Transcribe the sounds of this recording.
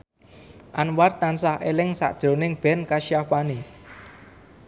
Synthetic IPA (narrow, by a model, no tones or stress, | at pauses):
ʔanwart̪ansaɦʔelɪŋsa̰ʔd̥ʒ̥ɾo̤nɪŋb̥ɛ̤nkaʃiafani